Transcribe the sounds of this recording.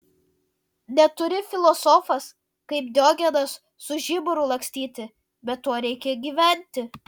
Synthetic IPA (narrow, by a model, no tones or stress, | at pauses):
nʲɛt̪ʊɾʲɪfʲɪlˠɔsɔfɐs | kɐɪp̚d̪ʲoːɡʲɛd̪ɐsːʊʒʲɪbʊɾʊlˠɐŋksʲt̪ʲiːt̪ʲɪ | bʲɛt̪ːoɔɾʲɛɪkʲɛɡʲiːʋʲɛˑnʲt̪ʲɪ